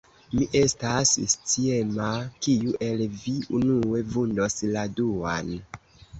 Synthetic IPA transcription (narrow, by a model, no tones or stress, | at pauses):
miʔe̞stasst͡siemakiuʔe̞lviunue̞vundo̞sladua̰n